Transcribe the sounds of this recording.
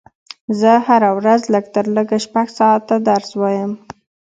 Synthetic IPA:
zəhaɾawɾazləɡt̪əɾləɡaʃpaɡsɑat̪ːad̪aɾswɑjəm

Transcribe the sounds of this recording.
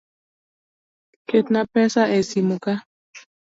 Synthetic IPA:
ket̪napɛsaʔesimuka

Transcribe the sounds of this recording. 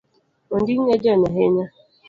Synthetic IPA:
n̩dɪŋ̩ŋed͡ʒenaɦeɲa

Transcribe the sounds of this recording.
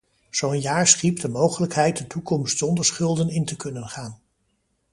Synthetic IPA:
z̥owənjaːɹsχipdəmowχələkɦɛjt̚dətukɔmstsɔndəɹsχɵlˠdənɪntəkɵnənχaːn

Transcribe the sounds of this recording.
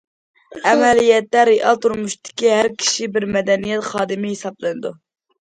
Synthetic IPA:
ɛmɛlijɛt̪læɾiʔɑ̰lˠt̪uɾmuʃt̪ʰɪ̥kʲiɦæɾkʲʰi̥ʃibɪɾmɛd̪ɛnijɛt̪χɑːd̪ɨmɪhisɑblˠɨnɨd̪u

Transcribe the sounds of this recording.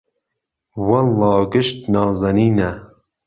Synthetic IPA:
wɐllɑːɡɪʃt̪̚nɑːzɐniːnɛ

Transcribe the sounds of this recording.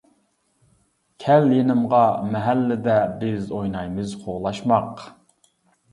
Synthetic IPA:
kʲʰɛljenɪmʁɑmɛɦælːɪd̪ɛbɪzojnɑjmɨzqʰoʁlˠɑʃmɑq

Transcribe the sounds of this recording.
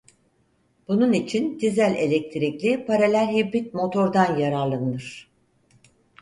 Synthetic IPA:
b̥ununit͡ʃʰind̪izælʲe̞lʲɛc̚t̪ʰiɾiclʲipʰaɾelʲæɾɦibɾit̪̚mo̞t̪ʰo̞ɾd̪anjaɾallˠanɯɯɾ̥

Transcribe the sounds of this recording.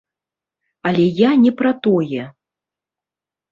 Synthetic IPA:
alʲɛjanʲɛpɾat̪ɔjɛ

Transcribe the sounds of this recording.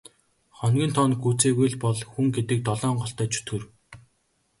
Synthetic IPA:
χɔnɡʲĭːnt̪ʰɔnɡuːt͡seːɣujɮpɔɮxuŋɡet̪ɘ̆k̚t̪ɔɮɔːɴɢɔɬt̪æːt͡ɕʰu̥t̪ɡɘ̆r

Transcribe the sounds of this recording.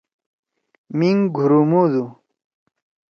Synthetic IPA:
miŋɡʱuɾumud̪u

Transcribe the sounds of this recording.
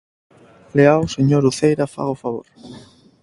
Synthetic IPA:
leaoseɲoɾuθejɾafa̰ɣofaβ̞o̰ɾ

